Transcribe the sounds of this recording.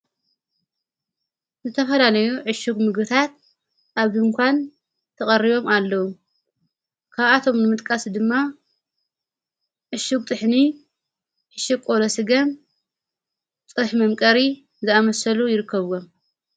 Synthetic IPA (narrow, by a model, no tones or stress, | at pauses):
zɨt̪ʰɐfɐlalɐjuʕɨʃuɡmɨɡbɨt̪ʰat̪ | ʔaβzŋkʷʰan | t̪ʰɐχʼɐrːiβo̞malːɐwu | kʰaβat̪ʰo̞mnɨmɨt̪ʼkʼasd̪ɨmːa | ʕɨʃuɡ̚t̪ʼɨħni | ʕɨʃukkʼolosɨɡɐm | t͡sʼɨħmɐmkʼɐɾi | zɨamɐsɐlujɪɾɨkːɐβom